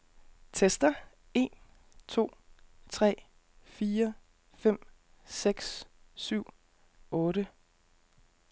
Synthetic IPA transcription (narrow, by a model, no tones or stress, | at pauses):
t͡sʰesd̥ɐ | e̝n | t͡sʰo̝̰ːt͡sʰʁɛ̰ː | fiːɐ | fem̰ | seɡ̥ssyʊ̰ | ɔ̽ːɾə